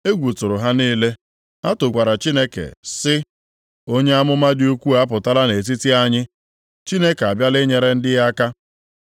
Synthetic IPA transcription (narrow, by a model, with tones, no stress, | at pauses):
e˦ɡʷu˨tʊ˨ɾʊ˨ɦa˦niː˦le˦ | a˦tʊ˨ɡʷa˨ɾa˨t͡ʃi˦ne˦kḛ˨sɪ˦ | o˦ɲe˦a˦mʊ˦ma˦dɪ˦u˦kʷu˦a˦pʊ˨ta˦la˦ne˨t̬i˦ti˦a˦ɲɪ˦ | t͡ʃi˦ne˦ke˨a˨bja˦lɪ˦ɲe˨ɾe˦n̩˦dɪ˦ɣa˦ka˦